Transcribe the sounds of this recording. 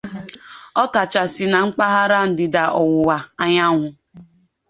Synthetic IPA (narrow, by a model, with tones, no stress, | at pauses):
ɔ˦ka˨t͡ʃa˨sɪ˨na˨ŋ͡m̩˦k͡pa˦ɦa˦ɾa˦n̩˨dɪ˨da˨ʔɔ˨wʊ˨wa˨a˦ɲa˦ŋʷʊ˦